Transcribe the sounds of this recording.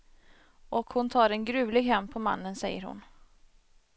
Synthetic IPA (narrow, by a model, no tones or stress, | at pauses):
ʔɔkhʊnt̪ʰɑːɾɛnɡɾʉ̟ːlɪɡɦɛmːpʰɔma̰nːənsɛjːəɾhʊ̰n